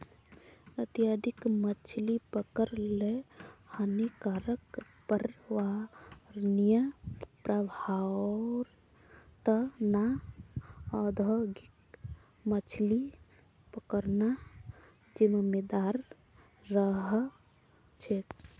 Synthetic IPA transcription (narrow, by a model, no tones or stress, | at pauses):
ət̪ijad̪ikmət͡ʃʰlipəkəɾlehənekaɾək | pəɾʋa | nijəpɾəbʱaɾ | t̪əna | əd̪ʱəɡik̚ | mət͡ʃʰli | pəkəɾna | d͡ʒimmed̪aɾː | əɦ | t͡ʃʰe